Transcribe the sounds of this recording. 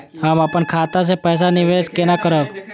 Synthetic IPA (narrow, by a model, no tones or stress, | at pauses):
ɦaməpənkʰaːt̪as̬epɛːs̬anɪʋeːskenakəɾək